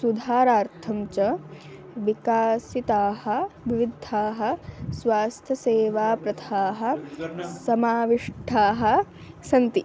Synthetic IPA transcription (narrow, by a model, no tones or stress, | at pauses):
sud̪ʱaːɾaːɾt̪ʰɐmt͡ʃɐ | ʋikaːsit̪aːhɐ̆ʋiʋid̪ʱːaːɦɐ̆sʋaːst̪ʰɐseːʋaːpɾɐt̪ʰaːɦɐ̆sɐmaːʋiʂʈʰaːɦɐ̆ | sɐnt̪i